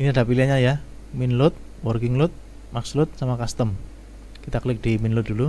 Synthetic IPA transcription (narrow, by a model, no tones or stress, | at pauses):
iniada̤piliaɲaja | minlʊt̪̚ | wɔrkɪŋlʊt̪̚ | makslʊt̪̚samakast̪əm | kit̪aklɪk̚d̥iminlʊt̪̚d̥ulu